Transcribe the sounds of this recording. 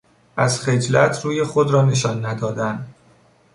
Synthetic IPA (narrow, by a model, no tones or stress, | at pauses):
ʔæz̥xe̞d͡ʒlæt̪ʰɾuːje̞xod̪ɾɒːneʃɒːnːæd̪ɒːd̪æn